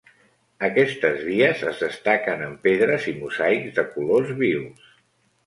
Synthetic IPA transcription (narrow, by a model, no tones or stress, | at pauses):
əkɛst̪əzβiəzəzðəst̪akənəmpeðɾəzimuzajkzðəkulozβiws